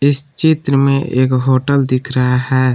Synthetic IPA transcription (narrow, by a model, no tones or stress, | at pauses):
ɪst͡ʃɪt̪ɾəmẽʔḛːkɦoːʈəld̪ɪkʰɾɐɦaɦɛː